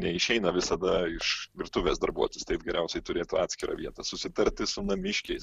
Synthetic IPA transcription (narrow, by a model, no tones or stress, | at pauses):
nʲɛɪʃʲɛɪnɐʋʲɪsɐd̪ɐɪʃʋʲɪɾt̪ʊʋʲeːsd̪ɐɾbuɔt̪ojʲʊst̪ɛɪpɡʲɛɾʲɛʊsʲɛɪt̪ʊɾʲeːt̪ʊɑːtʲsʲkʲɪɾʔɐ̰ːʋʲiɛt̪ɐsʊsʲɪt̪ɐɾʲt̪ʲɪsʊnɐmʲɪʃʲkʲɛɪs